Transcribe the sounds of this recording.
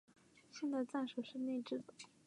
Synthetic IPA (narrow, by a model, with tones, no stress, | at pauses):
ɕjɛ˥˧nt͡sa˥˧ɪt͡sa˥˩nʂo˨˩ʂɻ̩˥˧ne˥˧ɪʈ͡ʂɻ̩˥˩d̪ə˩